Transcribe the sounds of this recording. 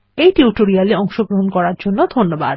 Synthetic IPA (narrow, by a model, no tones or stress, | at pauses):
ejʈiuʈoɾialeɔŋʃoɡɾoɦonkɔɾaɾd͡ʑonːod̪ʱonːoba̰d̪